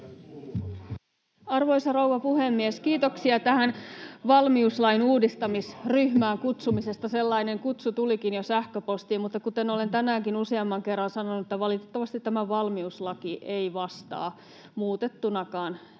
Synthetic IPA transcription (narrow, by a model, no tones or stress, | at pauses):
ɑrʋo̞jsɑrowʋɑpuhemːieskiːt̪oksiɑt̪æɦænʋɑlmiuslɑinuːdist̪ɑmisryhmæːŋkut̪sumise̞st̪ɑse̞lːɑine̞ŋkut̪sut̪ulikinjosæhkøpo̞st̪iːmmut̪ːɑkut̪e̞no̞le̞nt̪ænæːŋkinuseɑmːɑŋke̞rːɑnsɑnonuet̪ːæʋɑlit̪et̪ːɑʋɑst̪it̪ːæmæʋɑlmiuslɑkiʔeiʋɑst̪ɑ̰ː | muːt̪e̞t̪ːunɑkɑːn